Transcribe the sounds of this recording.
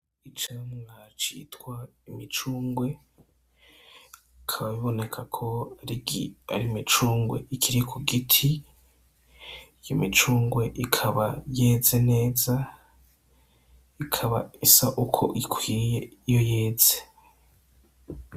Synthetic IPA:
it͡ʃaomŋaːt͡ʃḭːtkwaimit͡ʃuːŋɡwe̞ | ikʰaβaβiβo̞ne̞kʰakʰo̞aia̰ɾimit͡ʃuːŋɡwe̞̰ikʰiɾikʰuɡitʰi | jimit͡ʃuːŋɡwe̞ʔikʰaβaje̞ze̞ne̞ːza | ikʰaβa̰isaʔukʰo̞̰ʔikʰwiːjeijo̞jeːz̥e

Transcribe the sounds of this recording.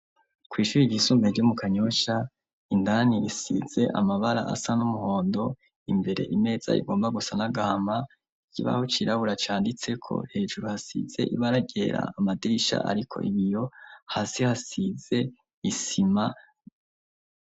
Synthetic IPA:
kwiːʃuɾiɟisuːmbeɾɟomukaɲo̞ʃa | indaniɾisḭz̥e̞ʔa̰maβaɾa̰ʔa̰sanumuho̞ːndo̞ | imbe̞ɾe̞̰ʔime̞ːz̥a̰ḭɡo̞ːmbaɡusanaɡahama | ikʰiβa̰hot͡ʃiɾaβuɾat͡ʃaːndit͡se̞kʰo̞̰he̞ːʒuɾuhasḭz̥e̞̰ʔḭβaɾaɡe̞ɾa̰ːmadiɾiʃa̰ʔa̰ɾikʰo̞̰ʔiβijo̞hasihasize̞ | isima

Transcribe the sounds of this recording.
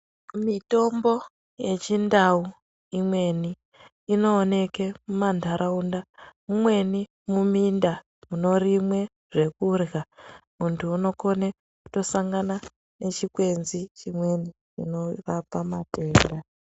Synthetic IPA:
mito̞mbo̞ | je̞t͡ʃindau | imwe̞niː | no̞ːne̞kemumandʱaɾʔaundamumwe̞ni | muminda | muno̞ɾimwe̞ | ʐe̞kurɣamuntʰuːno̞ko̞ne | ku̥to̞saŋɡana | ne̞t͡ʃikwe̞nzit͡ʃimwe̞ni | ḭno̞ʋapamate̞ːnda

